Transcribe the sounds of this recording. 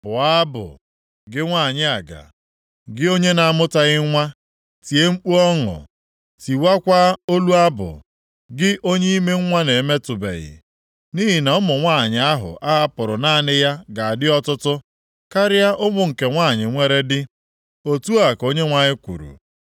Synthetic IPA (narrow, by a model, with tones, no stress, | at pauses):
b̥ʊ˨a˦bʊ̰˨ | ɡɪ˦ŋʷa˦˨ɲɪ˦a˨ɡa̰˨ | ɡɪ˦o˦ɲe˦na˨a˦˨mʊ˦ta˦ɣɪ˦ŋʷa˦ | ti˨e˦ŋ͡m̩˦k͡pu˦ɔ˦ŋʊ̰˨ | ti˨wa˦kʷa˦o˦lu˦a˦bʊ̰˨ | ɡɪ˦ʔo˦ɲe˦i˦me˦ŋ̩˦ŋʷa˦ne˨me˦tʊ˨bḛ˨ɣɪ̰˨ | ni˦ɦi˨na˨ʊ˦mʊ˨ŋʷa˦˨ɲɪ˨a˦ɦʊ̰˨ʔa˦a˦pʊ˨ɾʊ˨naː˦˨nɪ˦ja˦ɡa˨a˨dɪ˦ɔ˦tʊ˦tʊ˦ | ka˦ɾɪ˦ja˦ʔʊ˦mʊ˨ŋ̩˨ke˨ŋʷa˦˨ɲɪ˨ŋʷe˦ɾe˦dɪ˦ | o˨tu˦a˨ko˦ɲe˦ŋʷa˦ɲɪ˦kʷṵ˨ɾṵ˨